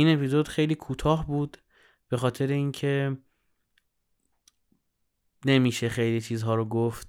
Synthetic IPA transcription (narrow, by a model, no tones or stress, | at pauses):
ine̞pizo̞d̪̥xe̞jliːkʰuːt̪ʰɒːɦbuːd̪ | b̥e̞xɒːt̪ʰe̞ɾeincʰe̞ | ne̞miːʃe̞xe̞jliːt͡ʃʰiːzɦɒːɾoɡoft̪